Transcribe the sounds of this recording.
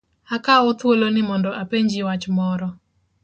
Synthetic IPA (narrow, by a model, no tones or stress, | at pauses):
akaɔt̪wolonɪmɔndɔʔapeɲd͡ʒiwat͡ʃmɔɾɔ